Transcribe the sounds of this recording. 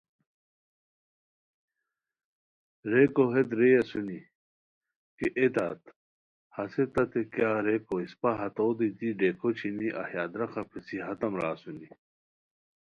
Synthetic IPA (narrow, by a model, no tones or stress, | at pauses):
ɾekoɦed̪ɾejɐsuni | keʔet̪a̰ːt̪ | hɐset̪ɐt̪ekjaːɾekoispaɦɐt̪oːd̪it̪iɖekʰot͡ɕʰiniʔɐ̰hjaːd̪ɾɐxɐpʰesiɦɐt̪ɐmɾaːsuni